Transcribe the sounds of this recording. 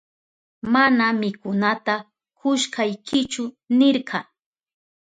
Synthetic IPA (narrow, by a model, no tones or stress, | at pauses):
manamɪkʊnat̪a | kʰʊʃkajkʰɪt͡ʃʊ | nɪɾɢɑ